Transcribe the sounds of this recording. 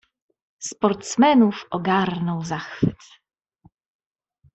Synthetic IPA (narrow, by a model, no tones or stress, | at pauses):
spɔɾt̪smɛnufɔɡaɾnɔwzaxfɘt̪